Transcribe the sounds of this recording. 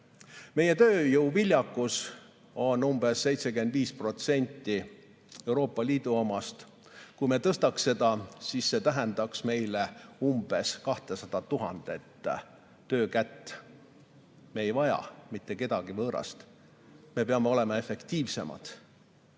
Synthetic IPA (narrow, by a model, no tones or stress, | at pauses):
me̞je̞t̪øːjəwvilʲjɑkːˑus | o̞nːumb̥e̞sːe̞jt̪se̞ke̞nd̪viːspro̞t̪se̞nʲt̪ːi | e̞wɾo̞ːpːˑɑliːd̪̥uomɑst̪ | kujme̞t̪ɤst̪ɑksːe̞d̪̥ɑsisːe̞t̪æɦend̪̥ɑksme̞jleumb̥e̞skɑht̪esɑd̪̥ɑt̪uɦɑ̰nd̪̥et̪ˑː | øːkæt̪ː | me̞ːjvɑjɑ̰mit̪ːe̞ke̞d̪̥ɑɡivɤːɾɑ̰st̪ | me̞peɑmeo̞le̞mɑe̞fe̞kt̪iːvse̞̰mɑ̰d̪̥